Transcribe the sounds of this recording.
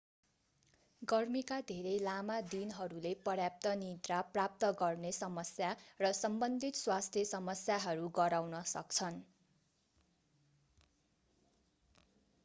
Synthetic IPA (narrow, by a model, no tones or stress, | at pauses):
ɡʌrmikad̪ʱeɾʌjlamad̪inɦʌɾulepʌɾjap̚t̪ʌnit̪raprap̚t̪ʌɡʌrnesʌmʌsjarʌsʌmbʌnd̪ʱit̪swast̪ʰjʌsʌmʌsjaɦʌɾuɡʌɾawnʌsʌk̚t͡sʰʌn